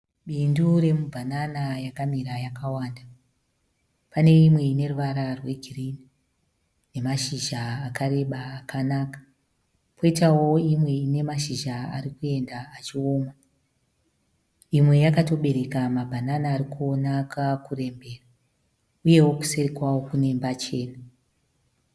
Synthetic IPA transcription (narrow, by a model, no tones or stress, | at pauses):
ɓindure̞mubʱananajakamiɾajakawaːnda | pane̞imwe̞ine̞ruʋaɾarwe̞ɡʱirini | ne̞maʃiʒaːkaɾe̞ɓaːkʰanaːkḁ | pʰo̞itawo̞imwe̞ine̞maʃiʒaa̰rikue̞ndaːt͡ʃio̞ːma | imwe̞jakato̞ɓe̞ɾe̞kamabʱananaːɾikuonakakure̞mbe̞ːra | uje̞woku̥seɾikwawo̞kune̞mbat͡ʃe̞ːna